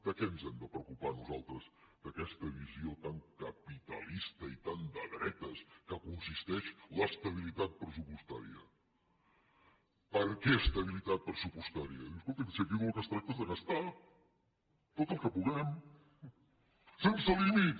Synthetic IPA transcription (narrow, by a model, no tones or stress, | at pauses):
d̪əkɛnzɛmd̪əpɾəukupanuzalˠt̪ɾəz | d̪̥əkɛst̪əβiziot̪aŋkəpit̪ə̰list̪əit̪and̪əðɾɛt̪əskəkunsist̪ɛʃləst̪əβ̞ilit̪at̪̚pɾəsupust̪a̰ɾiə̰ | pəɾkɛəst̪əβilit̪at̪̚pɾəsupust̪aɾiə̰ðiumskolt̪əsiəkiɣɔlkəst̪ɾak̚t̪əzðənəst̪a | t̪ot̪əlˠkəpuɣɛm | sensəlimit̪